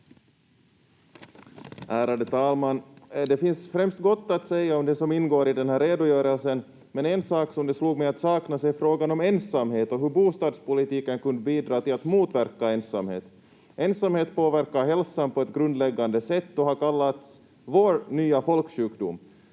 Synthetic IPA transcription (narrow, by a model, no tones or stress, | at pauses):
ʔæːɾad̪ət̪ʰɑːlmand̪ɛfɪnsfɾɛmst̪ɡɔt̪ːat̪sɛjːaɔmd̪ɛsɔmɪnːɡoːɾɪd̪ɛnhæːɾːeːd̪ʊjœːɾəlsən | mɛnɛnsɑːksɔmd̪ɛsluːɡmɛat̪sɑːknasɛjfɾoːɡanɔmeːnsamheːt̪ɔɦɵbuːst̪ɑːd̪spʊlɪt̪iːkənkɵnd̪əbiːd̪ɾɑːt̪ɪlat̪muːt̪væɾkaeːnsamhḛːt̪ | eːnsamheːt̪poːvæɾkaɦɛlsanpɔɛt̪ɡɾɵnd̪lɛɡːand̪əsɛt̪ːɔɦaɾkalːat̪s | voːɾnyːafɔlkɕʉ̟ːkd̪ʊ̰m